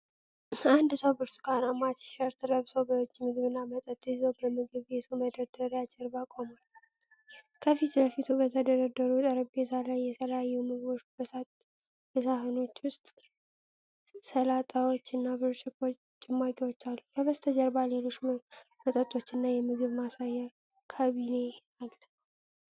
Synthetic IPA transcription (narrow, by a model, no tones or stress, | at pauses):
and̪səwbɨɾsu̥kʰʼanamat̪ɪ̥ʃəɾt̪ʰɨɾəβsəwbət͡ʃːimɨɡɨβɨnːamət̪ʼət̪ʼɨzəwbəmɨɡɨβbe̞t̪ʰuməd̪əd̪əɾjad͡ʒəɾbakʼomal | kʰəfit̪ləfit̪ʰubət̪ʰəd̪əɾəd̪ːəɾut̪ʼəɾəbbe̞t̪ʰalajːɛt̪ʰələjajːɛmɨɡɨβo̞t͡ʃbəsa | b̥əsaɦɨno̞t͡ʃːwʊst̪ʼ | səlat̪ʼawo̞t͡ʃːɨnːabɨɾʃɪkʼːo | t͡ʃʼɪmːakʼiwot͡ʃːalːubəβəst̪ʰəd͡ʒəɾbale̞lo̞t͡ʃːmət̪ʼət̪ʼo̞t͡ʃːɪnːajɛmɨɡɨβmasajːa | kʰaβine̞htal